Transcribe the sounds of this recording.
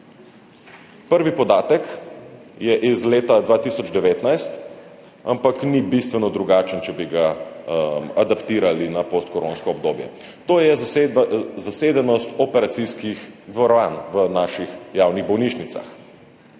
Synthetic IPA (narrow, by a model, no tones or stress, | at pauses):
pəɾʋipɔd̪aːt̪ək | jɛʔizleːt̪ad̪ʋaːt̪isɔd͡ʒd̪ɛʋeːt̪najst̪ | ampaknibist̪ʋɛnɔd̪ɾuɡaːt͡ʃənt͡ʃɛbiɡa | mad̪apt̪iːɾalinapost̪̚kɔɾoːnskɔɔb̚d̪oːbjɛ̰ | t̪oːjɛ | zaseːd̪ɛnɔst̪ɔpɛɾat̪siskixd̪ʋɔɾɔʋaːnʋənaːʃixjawniɣbɔwniːʃnit̪sa̰x